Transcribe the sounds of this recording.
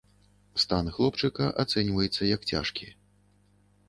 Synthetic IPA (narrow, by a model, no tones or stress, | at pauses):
st̪anɨxlˠɔpt͡ʂɨkɐʔat̪sɛnʲvɐjɛt̪sːɐjɐkt͡sʲa̰ʂkʲi